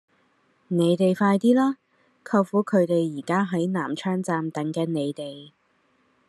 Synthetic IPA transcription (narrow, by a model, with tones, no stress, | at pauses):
ne˨˧jt̪e˨jfaː˧jt̪iː˥laː˥ | kʰɐ˧wfuː˨˥kʰɵ˨˧ɥt̪e˨jːiː˨˩kaː˥ɦɐ˨˥jna̰ː˨˩mt͡ʃʰœː˥ŋt͡saː˧mt̪ɐ˨˥ŋkɛː˨˧ne˨˧jt̪e˨j